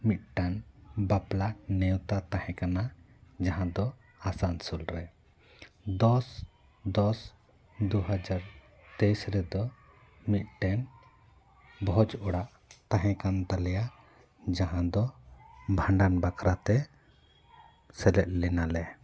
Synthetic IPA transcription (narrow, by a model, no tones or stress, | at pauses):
mit̪̚ʈanbaplanɛwt̪at̪ahɛ̃kana | d͡ʒaɦãd̪ɔ | asansulɾɛ | d̪ɔs | d̪ɔs | d̪uɦad͡ʒaɾ | t̪ejsɾɛd̪ɔ | mit̪̚ˀʈɛn | bʱɔd͡ʒɔɽaʔ | t̪ãɦɛ̃kant̪alɛja | d͡ʒaɦãd̪ɔbʱãɳɖanbakʰɾat̪ɛ | sɛlɛʔ̪̚lɛnalɛ